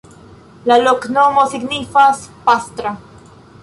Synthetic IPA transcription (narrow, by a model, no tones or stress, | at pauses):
laloknomosiɡnifaspast̪ɾa